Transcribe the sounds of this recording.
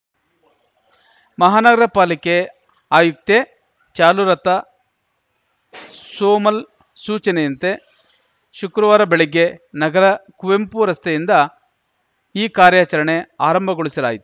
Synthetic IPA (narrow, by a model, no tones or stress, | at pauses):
mɐɦaːnɐɡɐɾɐpaːlike | aːjuk̚t̪e | t͡ʃaːluɾɐt̪ɐ | soːmɐl | suːt͡ʃɐnejɐnt̪e | ʃukɾɐʋaːɾɐbeɭiɡːenɐɡɐɾɐkuʋempuɾɐst̪ʰɐjind̪ɐ | iːkaːɾjaːt͡ʃɐɾɐɳe̞aːɾɐmbʱɐɡoɭisɐlaːjit̪u̥